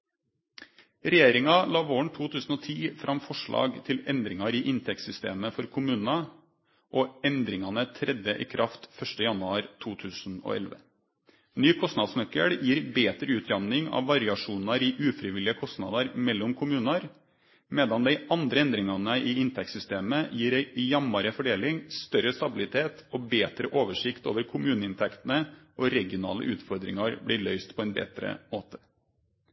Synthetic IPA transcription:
ɾɛjeːɾɪŋɑlɑːʋoːɳ̩t̪ʰuːt̪ʰʉːsn̩ɔːt̪ʰiːfɾʔɑmfɔʂɭɑ̰ːɡt̪ʰɪlɛnd̪ɾɪŋɑɾɪːʔɪnt̪ʰɛk̚t̪sʏst̪ḛːməfɔɾkʰʊmʉːnnɑ | ʔoːɛnd̪ɾɪŋɑnət̪ʰɾʔɛd̪jəʔiːkʰɾʔɑft̪fœʂʈəjɑnʉɑːɾt̪ʰuːt̪ʰʉːsn̩o̰ːɛ̰lʋə̰ | nyːkʰɔst̪nɑd̪snœkə̰ɽjiːɾbeːt̪ɾəʉːt̪ʰɾɑmnɪŋɑ̰ːʋʋɑɾɪɑʂuːnɑɾiːʔʉːfɾɪʋɪlɪəkʰɔst̪nɑ̰ːd̪ɑɾmɛlːɔmkʰʊmʉːnəɾ | mɛːd̪ɑnd̪ɛɪʔɑnd̪ɾəɛnd̪ɾɪŋɑnəʔɪɪnt̪ʰɛksʏst̪eːməjiːɾɛɪjɑmːɑɾəfɔɖeːlɪŋst̪œɾəst̪ɑbɪlɪt̪ʰeːt̪ɔbeːt̪ɾəʔoːʋəʂɪkt̪o̰ːʋəɾkʰʊmʉːnəɪnt̪ʰɛkt̪ən̩əʔɔɾɛɡɪʊnɑ̰ːlə̰ʔʉːt̪fɔɾd̪ɾɪ̰ŋɑɾbɽɪːɭœʏst̪pʰɔɛnbɛ̰ːt̪ɾə̰moːt̪ə̥

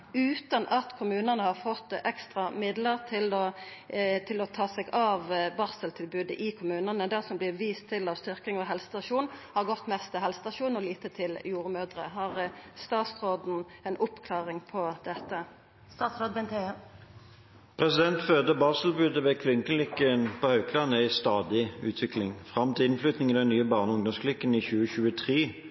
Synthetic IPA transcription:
ʉːt̪ɑnʔɑt̪kʰʊmʉːnənəhɑʁfɔt̪ːɛkst̪ʁɑmɪd̪ləʁt̪ʰɪlɔ | t̪ʰɪlɔt̪ʰɑːsɛɡɑʋbɑːsəlt̪ʰɪlbʉːd̪əʔɪkʰʊmʉːnənəd̪æʁsɔmblɪʋiːst̪ʰːɪlɑʋst̪ʏɾkɪŋɔɦɛlsə̥t̪ɑʃuːnhɑʁɡɔt̪ːmɛst̪ʰɪhɛlsə̥t̪ɑʃuːnɔliːt̪ət̪ʰɪljuːʁmøːd̪ʁə̰ɦɑʁst̪ɑːt̪sʁoːd̪n̩ɛnʊpkʰlɑːʁɪŋpʰɔd̪̥ɛt̪ːə | st̪ɑːt̪sɾoːd̪̚bɛnt̪ʰe | pʰʁɛsɪd̪ɛnt̪fød̪əbɑːsəlbʉːd̪əʋɛkʰʋɪŋkənlɪkːənpʰɔhœʉkʰlɑnəæɪst̪ɑːd̪ɪʉːt̪ʰʋɪklɪŋfʁɑmt̪ʰɪɪnflyːt̪nɪŋid̪ɛnnːyːəbɑːʁnəʊŋd̪ɔmsklɪkːəniçʉːəçʉːət̪ʰʁiː

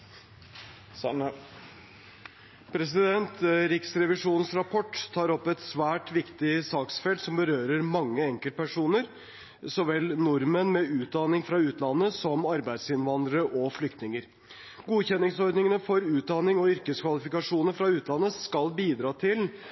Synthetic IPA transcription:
pʰɾɛs̬ɪd̪ɛnt̪ɾɪksɾɛʋɪʂuːnn̩sɾɑpʰɔʈːt̪ʰːɑːɾɔpːɛt̪sʋæːʈʋɪkt̪ɪsɑːksfɛlt̪sɔmbəɾøːɾəɾmɑŋːəɛŋkəlt̪pʰæʂuːnəɾ | sɔʋɛlːnʊɾmənmɛʉːt̪̚d̪ɑnɪŋfɾɑʉːt̪lɑnːəsɔmɑɾbæɪd̪sɪnʋɑnd̪ɾəɾəʔɔflʏkt̪nɪŋəɾ | ɡuːçɛnːɪŋsɔɾɖ̪ɳnɪŋənəfɔɾʉːt̪̚d̪ɑnɪŋɔʏɾkəskʋɑlɪfɪkɑʂuːnəfɾɑʉːt̪ʰlɑnːəskɑlbiːd̪ɾɑːt̪ʰɪl

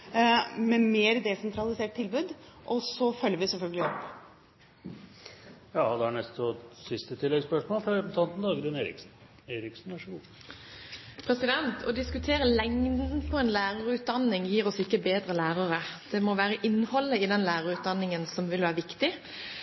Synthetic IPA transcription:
mɛmeːɾd̪ɛsɛnt̪ɾɑlɪseːʈ̚t̪ʰɪlbʉːd̪ʔɔsɔfœlːəɾʋɪsɛlfœlɡəlɪɔpː | jɑːd̪ɛhæɳɛst̪ɔsɪst̪ət̪ʰɪlːɛɡspœʂmoːlfɾɑɾɛbənt̪ʰɑnt̪n̩d̪ɑːɡəd̪ɪneːɾɪ̰ksn̩ | eːɾɪksn̩æʂuː | pʰɾɛsɪd̪ɛnt̪ʰɔd̪ɪskʉt̪ʰeːɾəlɛŋd̪nn̩pʰɔɛnlæːɾəʁʉːt̪̚d̪ɑnːɪŋjiːɾɔsɪkːəbeːd̪ɾəlæːʁəʁəd̪̥ɛmɔʋæːɾəʔɪnːhɔlːəɪd̪ɛnlæːɾəʁʉːt̪̚d̪ɑnːɪŋənsɔmʋɪlʋæːɾəʋɪkt̪ɪ

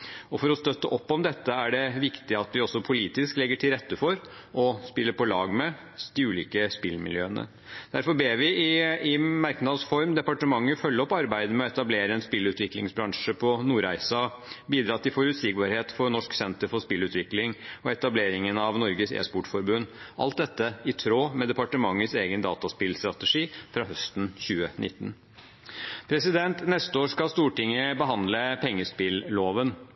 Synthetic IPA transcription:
ɔfɔɾɔst̪œt̪ːəʔɔpːɔmd̪ɛt̪ːəæɖɛʋɪkt̪ɪɑt̪ʋɪɔsːɔpʰʊliːt̪ɪsklɛɡːəʈʰɪlɾɛt̪ːəfɔɾʔɔspɪlːəɾpʰɔlɑːɡmɛ | d̪ɪʉːliːkəspɪlmɪ̰ljøːənə̰ | d̪̥æɾfɔɾbeːʋɪɪɪmæɾknɑd̪sfɔɾmd̪ɛpɑʈəmɑŋːəfœlːəɔpɑɾbæɪd̪əmɛɔɛt̪ɑbleːɾəɛnspɪlʉːt̪ʋɪklɪŋsbɾɑŋʂəpʰɔnuːɾæɪsɑ | biːd̪ɾɑːt̪ʰːɪlfɔɾʉt̪sɪɡ̚bɑɾheːt̪fɔnɔʂksɛnt̪əɾfɔʂpɪlʉːt̪ʋɪklɪŋɔɛt̪ɑbleːɾɪŋənɑʋnɔɾɡəsḛːspɔʈfɔɾbʉnːʔɑ̰lt̪̚d̪ɛt̪ːəɪt̪ʰɾoːmɛd̪ɛpɑʈəmɑŋːəseːɡənd̪ɑ̰ːt̪ɑspɪlst̪ɾɑt̪əʂiːfɾɑːɦœst̪n̩çʉːənʔɪt̪ːn | pʰɾɛsɪd̪ɛnt̪nɛst̪əoːʂkɑlst̪uːʈɪŋːəbəɦɑnd̪ləpʰɛŋːəspɪlloːʋən

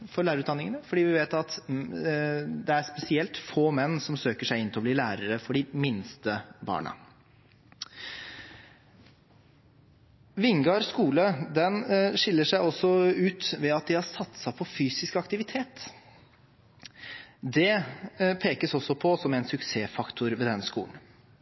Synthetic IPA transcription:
fɔɾɭæːɾʉt̪d̪ɑnːɪŋənəfɔɖiːʋɪʋeːt̪ɑt̪ | d̪ɛæɾspɛsɪɛlt̪foːmɛnːsɔmsøːkəʂæɪɪnt̪ʰɛɔbliːlæːɾəɾəfɔɖɪmɪnst̪əbɑ̰ːɳə̰ | ʋɪŋɡɑɾskuːləd̪ɛnʂɪlːəʂæɪɔsːɔʉːt̪ʋɛɑt̪̚d̪ɪhɑɾsɑt̪ːsɑpʰɔfyːsɪskɑkt̪ɪʋɪt̪ʰeːt̪ | d̪ɛpʰeːkəsɔsːɔpʰɔsɔmæɪnsʉkseːfɑkt̪ʰʊɾʋɛd̪ɛnskṵːln̩

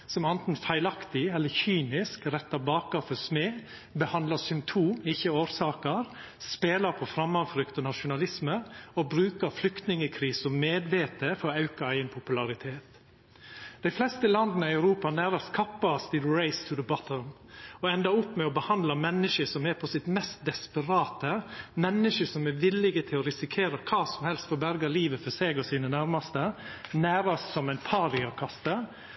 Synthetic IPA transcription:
sɔmɑnt̪n̩fæɪlɑkt̪ɪɛlːəɾçyːnɪskɾɛt̪ːɑbɑːkɑfɔsmeː | bəhɑnd̪lɑsʏmpt̪ʰuːmɪçːəoːɾsɑːkəɾ | speːlɑɾpʰɔfɾɑmːɑʋfɾʏkt̪ɔnɑʃʊnɑlɪsməɔbɾʉːkəɾflʏkt̪nɪŋəkʰɾiːsɔmmeːd̪ʋeːt̪əfɔɾɔɑʉkɑæɪənpʰʊpʉlɑɾɪt̪ʰeːt̪ | d̪̥æɪflɛst̪əlɑnd̪nəɪɑʉɾuːpɑnæːɾɑst̪kʰɑpːɑst̪ʰɪlɹeɪst̪ʰʉðəbɑt̪ʰəlm | ɔɛnd̪ɑʊpːmɛɔbəhɑnd̪lɑmɛnːəʃəsɔmɛɾpʰɔsɪt̪mɛst̪̚d̪ɛspəɾɑːt̪əmɛnːəʃəsɔmɛʋɪlɪɡət̪ʰɪlɔɾɪsɪkʰeːɾəkʰɑːsɔmhɛlst̪fɔɾbæɾɡɑliːʋəfɔseːɡɔsiːnənæɾmɑst̪ənæːɾɑst̪sɔmæɪnpʰɑːɾɪɑkʰɑst̪ə

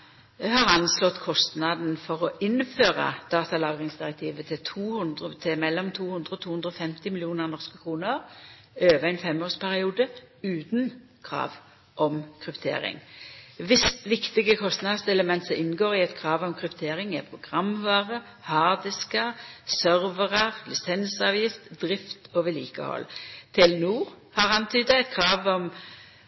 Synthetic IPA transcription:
jɛhɑːʁɑnslɔt̪kʰɔst̪nɑd̪n̩fɔʁɔʔɪnføːʁɑ̰d̪̥ɑːt̪ɑlɑːɡʁɪŋsd̪ɪʁɛk̚t̪ʰiːʋət̪ʰɪt̪ʰuːh̪d̪ət̪ʰɪmɛlːɔmt̪ʰuːhʉnd̪ʁəɔt̪ʰuːhʉnd̪ʁɔfɛmt̪ɪmɪlɪuːnəʁnɔʁskəkʰʁuːnəʁ | øːʋəæɪnfɛmoːʁspʰæʁɪuːd̪ə | ʉːt̪n̩ | kʰʁɑ̰ːʋ | ʔɔmkʰʁʏpt̪ʰḛːʁɪ̰ŋʋɪsʋɪkt̪ɪɡəkʰɔst̪nɑd̪sɛləmɛnt̪sɔʔɪnːɡoːʁɪɛt̪kʰɾɑːʋɔmkʰʁʉpt̪ʰeːʁɪŋɛpʰʁʊɡʁɑmʋɑːʁə | hɑːd̪ɪskəʁsœʁʋəʁəʁlɪsɛnsɑːʋjɪft̪d̪ʁɪft̪oʋɛliːkə̰hɔ̰lt̪ʰɪlnuːʁ | hɑʁɑnt̪ʰyːd̪əɛt̪kʰɾɑːʋɔm

